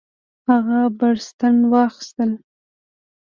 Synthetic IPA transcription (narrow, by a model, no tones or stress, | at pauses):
haɣabaɽst̪anwɑxɪ̥st̪əl